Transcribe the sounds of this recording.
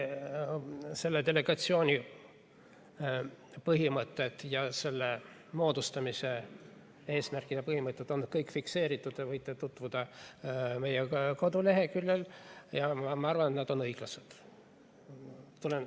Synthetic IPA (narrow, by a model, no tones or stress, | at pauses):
se̞lːed̪e̞le̞ɡ̥ɑt̪sio̞ːnʲi | pɤɦimɤt̪ːˑe̞t̪ːjɑse̞lːe | mo̞ːd̪̥ust̪ɑmise̞ | e̞ːsmærkˑid̪ɑpɤɦhimɤt̪ˑːet̪ːon̚ːkɤjkːˑfikse̞ːɾit̪ːˑud̪̥evɤjt̪ːˑet̪ut̪ːˑvud̪̥ɑ | me̞jeko̞d̪ule̞ɦe̞kylːeljɑmɑmɑɑrvɑnet̪næd̪̥o̞nɤjɡ̥lɑsed̪̥ | t̪ːulen